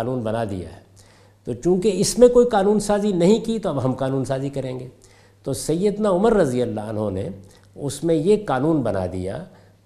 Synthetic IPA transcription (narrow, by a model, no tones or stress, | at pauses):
nuːnbɐnad̪ḭja̰ɦɛ | t̪oːt͡ʃũːkeɪsmẽkoːikaːnuːnsaːzinɐɦĩkit̪oɐbɦɐmqaːnuːnsaːzikɐɾẽːŋɡeː | t̪oːsɐjːəd̪naʊməɾːɐzijəlːaɐnɦonḛ | ʊsmẽjekaːnuːnbɐna̰d̪ḭja̰